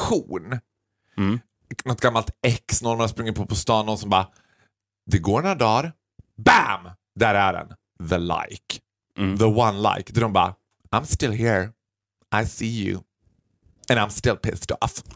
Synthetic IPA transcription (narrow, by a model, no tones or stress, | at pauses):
kʰuːn | nɔt̪̚ɡ̥amːalt̪ɛksnɔɾmaɾaspɾɵŋːəɾpʰoːpʰɔst̪ɑːnɔnsɔmbɑː | d̪ɛɡoːɾnd̪ɑːɾ | bæm | d̪æɾæɖɛ̰n | ðəla̰jk | ðəwãnla̰ɪkd̪ædɔmbɑ̰ː | ãɪ̃mstɪlˠɦiɹ | ʔaɪsiːjʉ̰ | ɛ̃nãɪ̃mstɪlˠpʰɪ̰stɔ̰f